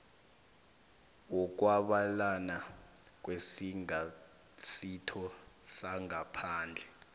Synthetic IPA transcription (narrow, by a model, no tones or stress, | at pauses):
ɔk̬ʼwaɓalana | k̬wesiŋa | sitʰɔsaŋapʰaːnd͡ɮʱɛ